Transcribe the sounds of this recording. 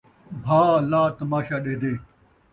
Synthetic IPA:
bʱaːlaːt̪ɐmaːɕaːɗeːd̪eː

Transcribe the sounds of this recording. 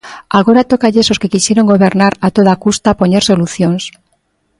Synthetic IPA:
aɣ̞oɾat̪okaʎesoskekisjeɾoŋɡoβ̞eɾnaɾat̪oð̞akust̪apoɲeɾso̞luθjoŋs

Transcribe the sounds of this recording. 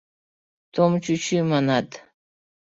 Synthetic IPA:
t̪ʰomt͡ʃʰut͡ʃʰimanat̪

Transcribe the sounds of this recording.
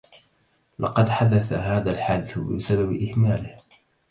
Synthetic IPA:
lɑ̰qɑd̪ħad̪aθaɦaːðalħaːd̪ɪθbɪ̰sababɪʔɪhmaːlɪh

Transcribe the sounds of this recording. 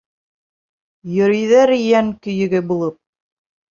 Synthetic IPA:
jɵ̆ɾĭjðæɾijæŋkɵ̆jɘ̆ɡɘbulˠɤp̚

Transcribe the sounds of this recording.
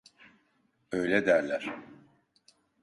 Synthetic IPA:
øjlʲɛd̪æɾlʲæɾ̥

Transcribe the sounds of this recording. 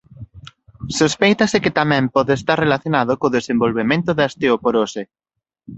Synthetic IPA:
sospejt̪aseket̪amɛ̃mpɔðeːst̪aɾrelaθjonaðokoðesẽmbolβemẽnt̪oðast̪eopoɾose

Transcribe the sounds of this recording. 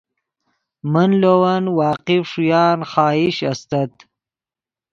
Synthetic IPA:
mənlowɐnwɑːqifʂujɑːnχɑːiɕɐst̪ɐt̪

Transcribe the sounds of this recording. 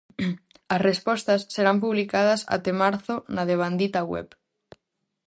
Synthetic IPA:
ɐsrespɔst̪ɐsːeɾampuβlikað̞ɐsa̰t̪emaɾθonaðeβ̞and̪it̪aɣwɛ̰p

